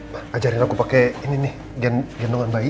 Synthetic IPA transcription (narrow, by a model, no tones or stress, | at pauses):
maad͡ʒaɾinakupakɛininɪh | ɡɛnɡɛndoŋanbai